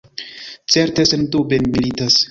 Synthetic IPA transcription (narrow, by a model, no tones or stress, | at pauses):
t͡seɾtesendubenmilitas